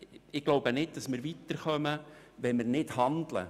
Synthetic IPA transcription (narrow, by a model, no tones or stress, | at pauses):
ɪɡ̥lowbənɪd̚dɑsmɪɾʋit̪ːəɾχœməʋɛnmɪɾnɪthɑnd̪lə̰